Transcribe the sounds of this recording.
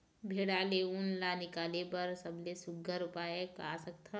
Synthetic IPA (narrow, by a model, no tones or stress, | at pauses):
bʱeɽaːleunlanɪkaːlebəɾsəblesʊɡʱəɾupaːeka̰ːsək̚t̪ʰə